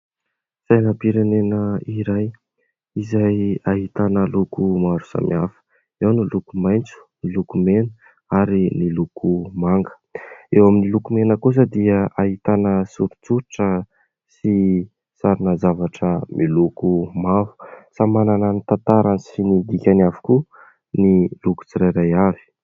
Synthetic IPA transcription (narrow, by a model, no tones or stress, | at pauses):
sajnapiɾenenəiɾaj | izajaɦit̪anəlukumaɾu̥sa̰miafə̥ | ewnilukumajnt͡su̥nilukumenə̥ | aɾinilukʰumaŋɡə̥ewaminilukumenəkus̬əd̪iəaɦit̪anəsuɾut͡suɾiʈ͡ʂə | si | saɾunəzavaʈ͡ʂəmʔilukumavu̥samanananit̪ant̪aɾanisinid̪ikʲanavu̥ku | niluku̥t͡siɾajɾajavi̥